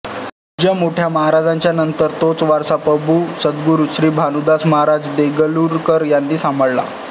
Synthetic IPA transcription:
d͡ʑəmoʈʰjaməɦaɾad͡zaɲt͡ɕjanənt̪əɾt̪ot͡sʋaɾsapəbuːsəd̪ɡuɾuɕɾiːbʱanud̪asməɦaɾad͡zd̪eɡəluɾkəɾjanːiːsaməɭla̰

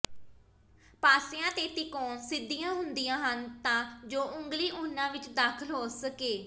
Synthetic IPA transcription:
paːsɪãːt̪eːt̪ɪkoːnsɪd̪ːijãːɦʊnd̪ijãːɦənt̪ãːd͡ʒoːʔʊŋɡliːʔʊnãːʋɪt͡ʃd̪aːkʰəlɦoːsəkeː

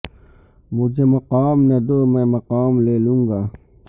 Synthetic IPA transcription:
mʊd͡ʑemɐqaːmnɐd̪omẽmɐqaːmleːlũŋɡa

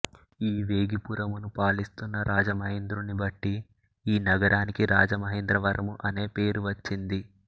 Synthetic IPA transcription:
iːʋe̞ːɡipuɾɐmunupaːɭist̪unːɐɾaːd͡ʒɐmɐɦend̪ɾunibɐʈːi | iːnɐɡɐɾaːnikiɾaːd͡ʒɐmɐɦend̪ɾɐʋɐɾʔɐmuʔɐne̞ːpe̞ːɾuʋɐt͡ʃːind̪i

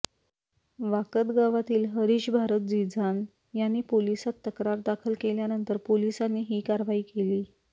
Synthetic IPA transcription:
ʋakət̪ɡaʋat̪iːlɦəɾiːɕbʱaɾət̪̚d͡zid͡zan | janːiːpolisat̪ːəkɾaɾd̪akʰəlkeljanənt̪əɾpolisanːiːɦiːkaɾʋaiːkeliː

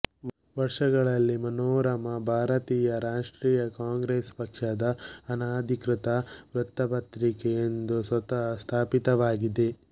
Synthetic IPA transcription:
ʋɐɾʂɐɡɐɭɐlːimɐnoːɾɐmɐbʱaːɾɐt̪iːjɐɾaːʂʈɾiːjɐkaːŋɡɾeːspɐkʂɐd̪ɐːnaːd̪ʱikɾɪt̪ɐʋɾut̪ːɐpɐt̪ɾikejend̪usʋɐt̪ɐɦɐst̪ʰaːpit̪ɐʋaːɡid̪e̞

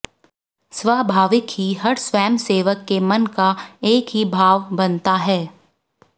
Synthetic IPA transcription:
sʋaːbʱaːʋɪkɦiɦɐɾsʋɛːmseːʋəkːemɐnkaeːkɦibʱaːʋbɐnt̪aɦɛː

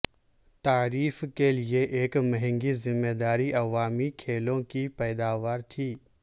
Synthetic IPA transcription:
t̪aːɾiːfkelieʔeːkmɐɦɪ̃ŋɡizɪmːeːd̪aːɾiʔɐʋaːmikʰeːlõkipɛːd̪aːʋaːɾt̪ʰiː

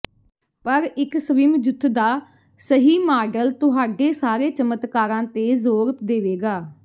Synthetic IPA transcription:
pəɾɪksəʋɪmd͡ʒʊt̪ʰːd̪aː | səɦiːmaːɖəlt̪ʊɦaːɖeːsaːɾeːt͡ʃəmət̪kaːɾãːt̪eːzoːɾəpd̪eːʋeːɡaː

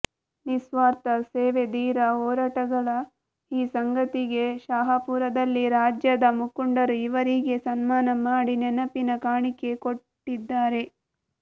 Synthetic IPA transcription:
nisʋaːɾt̪ɐseːʋe̞d̪iːɾɐɔːɾaːʈɐɡɐɭɐ | iːsɐŋɡɐt̪iɡe̞ʃaːɦɐpuːɾɐd̪ɐlːiɾaːd͡ʒjɐd̪ɐmukuɳɖɐɾuiʋɐɾiɡe̞sɐnmaːnɐmaːɽinɛnɐpinɐkaːɳike̞koʈːid̪ːaːɾe̞

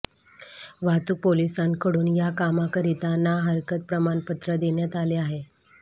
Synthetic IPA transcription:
ʋat̪upolisãnkəɽuːnjakamakəɾit̪anaɦəɾkət̪̚pɾəmaɳpət̪ɾəd̪eɳjat̪aleaɦe

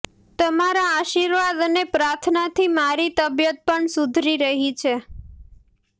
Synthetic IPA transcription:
t̪əmaɾaːʃiɾʋad̪ənepɾaɾt̪ʰnat̪ʰimaɾit̪əbjət̪̚pəɳsud̪ʱɾiɾəɦit͡ʃʰe

